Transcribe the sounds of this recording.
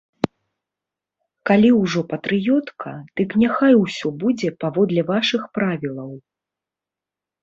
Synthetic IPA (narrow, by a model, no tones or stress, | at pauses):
kalʲiwʐɔpɐt̪ɾɨjɔt̪kʰɐ̰d̪̥ɨknʲaxajwsʲɔbud͡zʲɛpavɔd̪lʲɛvaʂɨxpɾavʲilˠɐw